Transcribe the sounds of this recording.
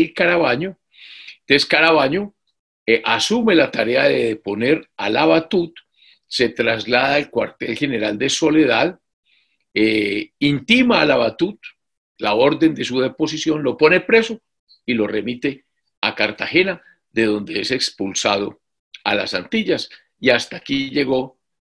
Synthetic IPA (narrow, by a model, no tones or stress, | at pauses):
lkaɾaβaɲo | t̪eskaɾaβaɲo̞ | ʔasume̞lat̪aɾe̞aðe̞ðepo̞ne̞ɾalaβat̪ut̪ | se̞t̪ɾazlaðaelkwa̰ɾt̪e̞lhe̞ne̞ɾald̪e̞so̞le̞ðað | eint̪imaːlaβat̪ut̪ | lao̞ɾd̪e̞nd̪e̞suðe̞po̞sisjo̞nlo̞po̞ne̞pɾe̞so̞ | ilo̞re̞mit̪e̞ | akaɾt̪axe̞na | ðe̞ðo̞nd̪e̞ese̞kspulsaðo̞̰ | ala̰sant̪iʎas | iast̪aːkiʝe̞ɣo̞